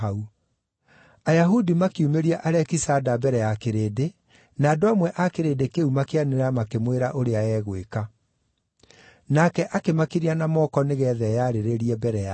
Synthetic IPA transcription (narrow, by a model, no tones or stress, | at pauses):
au | ajaɦudimakiumeɾiaʔaɾɛkisadabɛɾɛjakeɾeːde | naːdoamwɛʔakeɾeːdekeumakeaneɾamakemweɾaʔoɾeaɛːɣweka | nakɛʔakemakiɾianamɔkɔneɣɛːðɛjaːɾeɾeɾiɛbɛɾɛa